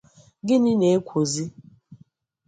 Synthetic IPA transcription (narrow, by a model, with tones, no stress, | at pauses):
ɡɪ˦nɪ˦ne˨e˦kʷʰo˨zi˦